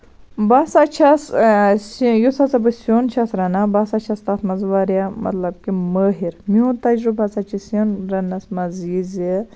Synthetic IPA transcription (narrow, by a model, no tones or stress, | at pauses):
baːsat͡ʃʰɐssjusɐt͡sɐbɨsoːnt͡ʃʰasɾɐnabaːsat͡ʃʰɐst̪aːt̪ʰmɐzʋaːɾjamɐ̰t̪lɐb̚kiməːɦiɾmiɦut̪ɐd͡ʒɾubɐt͡saːt͡ʃʰisɐnɾɐnɐsmɐziːzi